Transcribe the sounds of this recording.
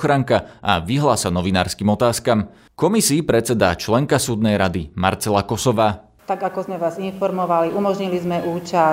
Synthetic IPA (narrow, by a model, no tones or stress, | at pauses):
xɾaŋkaʔa̰ʋiɦlasanɔʋinaːɾskiːmɔt̪aːskam | kɔmisiːpɾɛt͡sɛd̪a̰t͡ʃlɛŋkasuːd̪nɛjɾad̪ima̰ɾt͡sɛlakɔsɔʋaː | t̪aɡakɔzmɛʋaːzinfɔɾmɔʋaliʔumɔʒɲilizmɛʔuːt͡ʃa